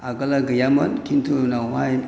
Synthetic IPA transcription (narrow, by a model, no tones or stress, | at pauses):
aɡalaɡəjamənkintunawa